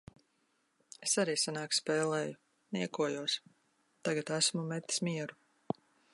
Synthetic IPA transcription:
esaɾiːsanaːkspɛːlˠɛːju | niɛkuɔjuɔs | t̪aɡat̪æsmumɛt̪ːi̥smiɛɾu

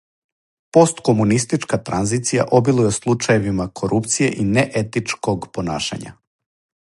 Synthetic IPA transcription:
po̞st̪komunist̪it͡ʃkat̪ɾanzit̪sija̰ʔo̞bilujeslˠut͡ʃaje̞ʋimakʰo̞ɾʔupt̪sije̞̰ʔineʔet̪it͡ʃko̞ɡpo̞na̰ːʃa̰ɲa̰

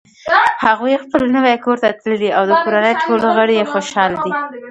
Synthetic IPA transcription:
haɣujexpəlnəwajkoɾt̪at̪ləliawd̪əkoɾanəjʈʰolɣəɽejexoʃɑld̪i

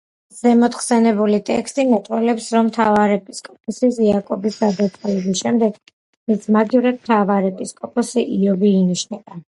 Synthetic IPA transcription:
z̥ɛmɔt̪ʰχsɛnɛbulit̪ʼɛ̰kst̪ʼimɛt̪ʼwɛlɛpsɾɔmːt̪ʰavaɾɛpʼiskʼɔp̚ʰʼɔsiziakʼɔbisɡad̪at̪sʼɛlɛbisʃɛmd̪ɛɡ | mismad̪ivɾad̪̚mt̪ʰavaɾɛpʼiskʼɔpʰʼɔsiʔiɔbiːniʃnɛba

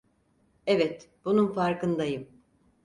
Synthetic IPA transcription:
ɛvɛt̪b̥ununfaɾkɯnd̪ajɯm

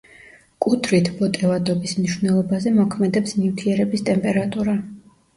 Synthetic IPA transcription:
kʼut̪ʰɾit̪ʰbɔt̪ʼɛvad̪ɔbismniʃvnɛlˠɔbazɛmɔkʰmɛd̪ɛpsnivt̪ʰiɛɾɛbist̪ʼɛmpʼɛɾat̪ʼuɾa

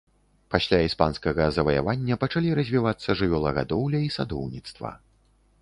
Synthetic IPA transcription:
pasʲlʲaispanskɐɣɐzɐvɐja̰vanʲːɐpɐt͡ʂalʲiɾɐzʲvʲivat̪sːɐʐɨvʲɔlˠɐɣa̰d̪ɔwlʲɐisad̪ɔwnʲit̪st̪vɐ̰

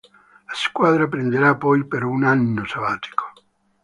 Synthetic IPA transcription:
laskwad̪ɾapɾend̪eɾapːɔjpeɾunanːosavaːt̪i̥kʰo̥

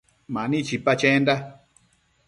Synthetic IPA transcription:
mãnĩt͡ʃipat͡ʃẽnda

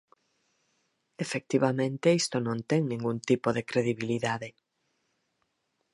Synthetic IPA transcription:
efek̚t̪iβamẽnt̪eist̪onõnt̪ɛŋnĩŋɡunt̪ipoðekɾeðiβiliðaðɪ

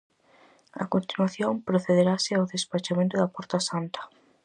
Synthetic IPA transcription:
ɐ̰kont̪inwaθjõmpɾoθeðeɾasɪawðespat͡ʃamẽnt̪̬ʊðɐpɔɾt̪asant̪ɐ̥

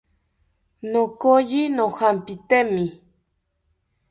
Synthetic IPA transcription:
nokojinohampit̪emi

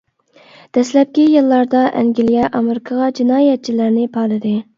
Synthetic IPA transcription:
d̪̥ɛslɛp̚kʲijilˠːɑɾd̪ɑʔɛ̰ŋɡʲilijɛʔɑmeɾɪkʰɑʁɑd͡ʒinɑːjɛt̪̚t͡ʃʰilæɾnɪpʰɑɾlˠɨd̪ɨ

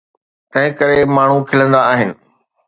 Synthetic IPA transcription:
t̪ɐ̃ɦɪ̃kɐɾemaːɳ̤ukʰɪlə̃nd̪aːɦɪnɪ̆

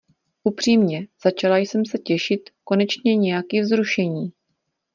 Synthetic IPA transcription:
ʔupr̝̥iːmɲɛz̥at͡ʃalajsɛmsɛcɛʃɪt̪ko̞nɛt͡ʃɲɛɲɛjakiːvzɾuʃɛɲiː

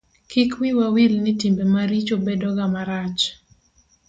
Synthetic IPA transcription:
kikwɪwawilnɪtimbemaɾit͡ʃobɛdɔɡamaɾat͡ʃ

